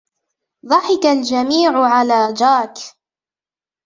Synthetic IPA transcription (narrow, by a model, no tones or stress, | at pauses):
ðˤɑħɪkald͡ʒamiːʕʊʕalaːd͡ʒaːk